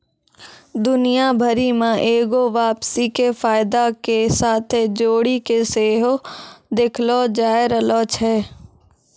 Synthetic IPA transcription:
d̪ʊnijabʱəɾimãʔeːɡoʋaːpsikefaːɪd̪akesaːt̪ʰed͡ʒoːɽikeseːɦod̪ekʰlod͡ʒaːɪɾəloːt͡ʃʰɛː

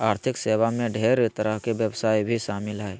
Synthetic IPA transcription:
aːɾt̪ʰɪkseːʋamẽɖʱeːɾet̪əɾəɦkebjəwsaːibʱiʃaːmɪlɦɛe

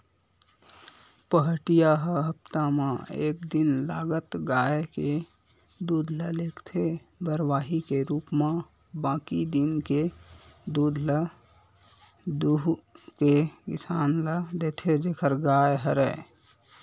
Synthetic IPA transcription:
pəɦʈijaɦəɦəpt̪amãeːk̚d̪ɪnlaːɡət̪ɡaːeke | d̪uːd̪ʱləleːkt̪ʰe | bəɾʋaːɦikeɾuːpmã | bãːkid̪ɪnked̪uːd̪ʱlə | d̪uɦkekɪsaːnləd̪eːt̪ʰed͡ʒeːkʰəɾɡaːjɦəɾɛ

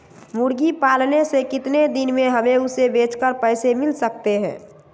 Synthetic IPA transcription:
muɾɡipaːlnesekɪt̪ned̪ɪnmẽɦəmeʊsebeːt͡ʃkəɾpəɪsemɪlsək̚t̪eɦɛ̰̃ː

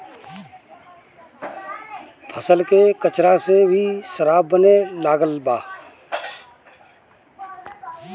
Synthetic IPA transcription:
pʰəsəlkekət͡ʃɾasebʱiʃəɾaːbːənelaːɡəlbaː

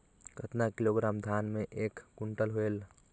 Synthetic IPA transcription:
kət̪nakiloɡɾaːmd̪ʱaːnmẽʔeːkːuɳʈəlɦoel

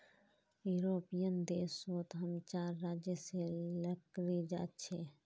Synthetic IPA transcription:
juɾopijənd̪eːsot̪ɦəmt͡ʃaːɾːad͡ʒjəseləkɾid͡ʒa̰ːt̪t͡ʃʰɛ

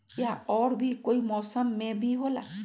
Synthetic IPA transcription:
jaɔɽbʱikoimɔsʌmːebʱiɦola̰

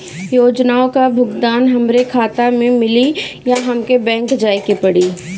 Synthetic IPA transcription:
joːd͡ʒnaːõkabʱʊɡd̪aːnɦɐmɾekʰaːt̪amẽmɪlijaɦɐmkebɛ̃ːŋkd͡ʒaːjkepɐɽiː

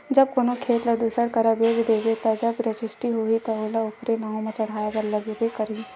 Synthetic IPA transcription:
d͡ʒɐb̚konokʰeːt̪lɐd̪usəɽkɐɾabeːd͡ʒd̪eːɡet̪ad͡ʒɐbɾəd͡ʒɪsʈiɦoːit̪aoːlaʊpɾenaːɦõmẽt͡ʃɐɽ̤aːjaɡəɾlɐɡubekɐɾiː

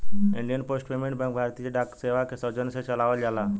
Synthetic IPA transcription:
iɳɖijənposʈpemeɳbə̃ŋk̚bʱaɾt̪iːt͡ɕeɖakseʋakesəd͡ʑənset͡ɕəlaʋəld͡ʑala

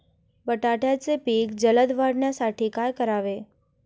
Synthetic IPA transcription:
bəʈaʈat͡ʃepikd͡ʒələd̪ʋaɽnasaʈʰikajkəɾaʋe

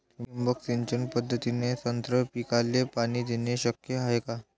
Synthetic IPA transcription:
imbəksiɲt͡ɕənpəd̪ʱːət̪inet̪ənt̪ɾəpikalːepaɽ̃iːd̪eneɕəkjəɦaɦeka

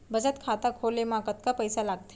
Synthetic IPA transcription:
bəd͡zət̪kʰat̪akʰolemãkət̪kapəjsalaɡ̚t̪e̥

